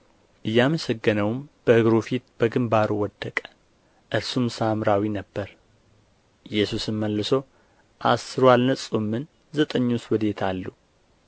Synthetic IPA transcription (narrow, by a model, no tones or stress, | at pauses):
ʔɨjːaməsəɡːɨnəwmb̥əhɨɡɾufit̪b̥əɡɨmbaɾuwɔd̪ːəkʼə̥ | ʔɨɾsumsamɾawinəbːəɾ | jːɛsusɨnməlːɨso̞ | ʔa̰sɨɾwalnəsʼumːɨn | zət̪ʼəɲːuswɔd̪e̞t̪ʰalːu